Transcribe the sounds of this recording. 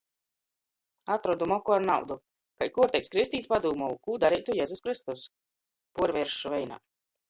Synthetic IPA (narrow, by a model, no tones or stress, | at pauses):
at̪ɾɔd̪umɔkuaɾna̰wd̪u | kajkuɔɾt̪ɛkskɾist̪ʲiːt̪spad̪uːmɔukuːd̪aɾijt̪ujɛːzuskɾist̪us | puɔɾvʲɛɾʃuvɛjna̰ː